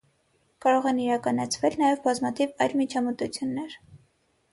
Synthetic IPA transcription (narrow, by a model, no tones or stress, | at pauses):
kɑɾɔʁɛniɾɑkɑnɑt͡sʰvɛlnɑjɛvbɑzmɑt̪ʰivɑjlmit͡ʃʰɑmət̪ut͡sʰjunːɛɾ